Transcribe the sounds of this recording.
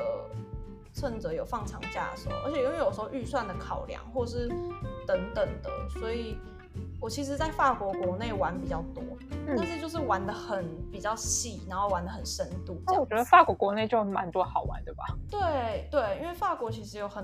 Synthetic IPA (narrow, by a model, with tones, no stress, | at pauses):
ə˩ | t͡sʰə˥˧nt͡sɤ˧˥˦jo˨˩ʊfɑ˥˩ŋt͡sʰɑ̰˧˥ŋt͡ɕja̰˥˩ə˨˩ʂə˧˥m̰˩ʔə̰˞˧˥t͡ɕʰjɛ˨˩i˥wjo˨˩ʂ̩˧˥xo˧ʊʔy˥˧swa˥˩nd̪ə˩kʰɑ˨˩ʊljɑ̰˧˦ŋxwɔ˥˧ə˨˩ʂ̬ɻ̩˥˩t̪ə˧˥nt̪ə˨˩ŋd̪ə̰˩swɔ˧˥i˨˩ | wɔ˨˩t͡ɕʰi˧˥ʂ̬ɻ̩˧˥t͡sa˥˧ɪfa˥˩kwɔ˧˥kwɔ˧˥ne˥˩ɪwa˧˥npi˨˩t͡ɕjɑ˥˩ʊt̪wɔ˦tn̩˥a˥˧nʂɻ̩˥˧t͡ɕjo˥˧ʊʂ̬ɻ̩˥˩wa˧˥nd̪ə˧xə˨˩npi˨˩t͡ɕjɑ˥˩ʊɕi˥˩na˧˥nxo˥˩ʊwa˧˥nd̪ə˧xə˨˩nʂə˥nt̪u˥˨˥wɔ˨˩t͡ɕɥɛ˧˥ə˧fa˥˩kwɔ˧˥kwɔ˧˥ne˥˧ɪt͡ɕjo˥˧ʊma˧˥nt̪wɔ˧˥xɑ˨˩ʊwa̰˧˦nt̪we˥˩ɪbɐ̰˨˩t̪we˥˩t̪we˥˩ɪi˥nwe˥˧ɪfa˥˩kwɔ˧˥t͡ɕʰi˧˥ʂɻ̩˧˥jo˨˩ʊxə˨˩